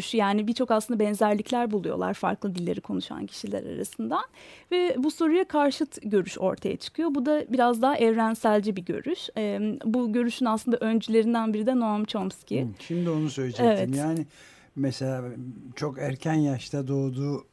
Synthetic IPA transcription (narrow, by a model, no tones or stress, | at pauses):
ʃjaːnibit͡ʃʰo̞kaslˠɯnd̪abɛnzæɾlʲiclʲæɾbulˠujo̞̰lˠa̰ɾfa̰ɾklˠɯd̪ilʲːe̞̰ɾikʰo̞nuʃa̰ncʰi̥ʃilʲæ̰ɾa̰ɾa̰sɯnd̪an | vɛbuso̞ɾujakʰaɾʃɯt̪ɟø̞ɾyʃo̞̰ɾt̪ʰaja̰t͡ʃʰɯ̥kʰɯjo̞bud̪abiɾazd̪aɦaʔɛvɾænsælʲd͡ʒibiɟø̞̰ɾyʃɛbuɟø̞ɾyʃynaslˠɯnd̪aʔønd͡ʒylʲe̞ɾind̪ænbiɾid̪ɛnoamt͡ʃʰomscʰiʃimd̪io̞nusøjlʲed͡ʒevɛtimjaːnɪ | meselʲaːt͡ʃʰo̞kæɾcʰænjaʃt̪ʰad̪o̞ːd̪uː